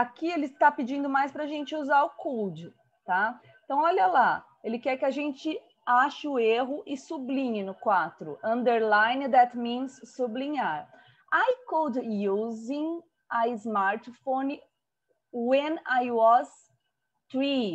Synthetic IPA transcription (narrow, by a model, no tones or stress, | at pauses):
akielɪt̪apɪd͡ʒĩnd̪ʊmajspɾɐʒẽnt͡ʃɪuzaɾʊkuwd͡ʒɪ | t̪ã | t̪ɐ̃w̃ɔʎɐla | elɪkɛɾkɪaʒẽnt͡ʃɪ | aʃɪʊeɦʊʔɪsublĩɲɪnʊkwat̪ɾʊ̰ʔɐ̃nd̪eɾlãjnd̪ɛt̪mĩnsːublĩɲaɾ | ajkowd̪juzĩŋ | aɪzmaɾt̪fõn | wẽnajwɔz | t̪ɾi